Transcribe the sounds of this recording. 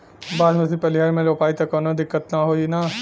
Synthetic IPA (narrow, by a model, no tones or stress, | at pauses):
baːd̪mẽsipɐlɪɦaːɾmẽloːpaːit̪ɐkoːnod̪ɪkːət̪naɦoːina